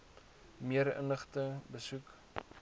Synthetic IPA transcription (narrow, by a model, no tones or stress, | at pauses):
miəɾə̰nəχtəbəsuk